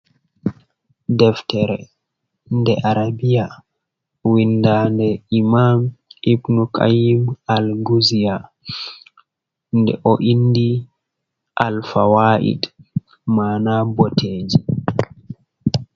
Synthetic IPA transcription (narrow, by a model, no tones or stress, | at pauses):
dɛftɛɾɛ̰ | ndɛʔaɾabija | windandɛimamibnukʰa̰jimalɡuzija | ndɛ̰ʔɔʔindi | ʔalfawaːʔḭd | maːnabɔteːd͡ʒi